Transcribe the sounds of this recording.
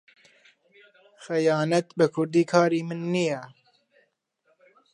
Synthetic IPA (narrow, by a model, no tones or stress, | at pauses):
xɛjɑːnɐt̪bɨkʰʊɾd̪iːkʰɑːɾiːmɨnːijɛ